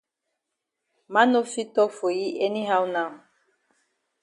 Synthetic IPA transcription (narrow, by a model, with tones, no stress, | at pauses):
ma˦no˦fi˦tɔ˦fo˨ji˦ʔe˦ni˦ɦa˦wnã˦˨